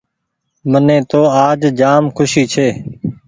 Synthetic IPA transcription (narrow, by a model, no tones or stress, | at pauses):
mənẽːt̪oːaːd͡ʒd͡ʒaːmkʰʊʃiːt͡ʃʰeː